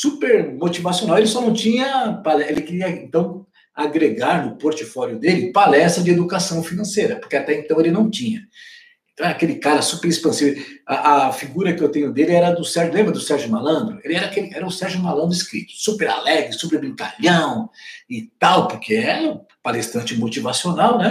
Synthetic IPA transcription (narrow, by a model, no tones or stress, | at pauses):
supeɾmot͡ʃivasijonawelɪsɔnɐ̃w̃t͡ʃĩɲɐpalɛʔelɪkɪɾiɐẽnt̪ɐ̃w̃ | aɡɾeɡaɾnʊpoɾt͡ʃifɔljʊd̪elɪpalɛst̪ɾɐd͡ʒɪed̪ukasɐ̃w̃finɐ̃sejɾɐpoɾkeat̪ɛẽnt̪ɐ̃w̃elɪnɐ̃w̃t͡ʃĩɲɐ | ẽt̪ɐ̃w̃ɛɾɐakelɪkaɾɐsupeɾespɐ̃sivaʔɐfiɡuɾɐkɪewt̪ẽɲʊd̪elɪɛɾɐd̪ʊsɛɾʒʊlẽbɾɐd̪ʊsɛɾʒʊmalɐ̃nd̪ɾʊelɪɛɾɐakelɪʔɛɾɐʊsɛɾʒʊmalɐ̃nd̪ʊiskɾḭt̪ʊ̥supeɾa̰lɛɡɾɪsupeɾbɾĩŋka̰ʎɐ̃w̃ɪt̪awpoɾkeɛ | palest̪ɐ̃nt͡ʃɪmot͡ʃivasionawnɛ